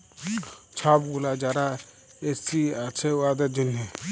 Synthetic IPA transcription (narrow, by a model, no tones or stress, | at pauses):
t͡ʃʰabɡulad͡ʒaɾa | esiat͡ʃʰewad̪ɐd͡ʒune